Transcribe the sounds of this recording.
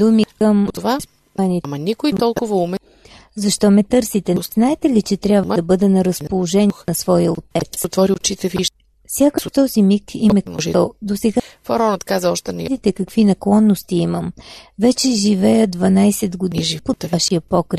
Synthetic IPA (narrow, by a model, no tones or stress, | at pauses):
d̪umikəmt̪vas | animɐnikʊit̪ɔlˠkkʊvəumɛ | zɐʃt̪ɔmɛt̪ɤɾsit̪ɛznaɛt̪ɛlit͡ʃɛt̪ɾʲjabvd̪ɐbɤd̪ɛnɐɾəspolˠoʒɛninɐsvɔjəot̪ɛt̪sot̪vɔɾiot͡ʃit̪ɛviʃ | fsʲjakəʃt̪ɔzimikimɛəd̪osɛɡafɐɾɔnət̪kazəɔʃt̪ɛnɛd̪it̪ɛkɐkvinɐklˠɔnːost̪iiməmvɛt͡ʃɛʒivɛjəd̪vɐnajsɛd̪ɡod̪iʒipovaʃiəpɔkɾ